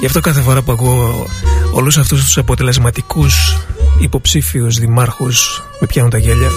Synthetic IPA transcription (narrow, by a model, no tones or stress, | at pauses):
ʝɐft̪o̞kɐθe̞fo̞ɾɐpuɐkuo | o̰lus̬ɐft̪ust̪u̥sɐpo̞t̪e̞le̞zmɐt̪ikusipo̞psifiuzðimɐɾxus | mepçɐnunt̪ɐʝeʎɐ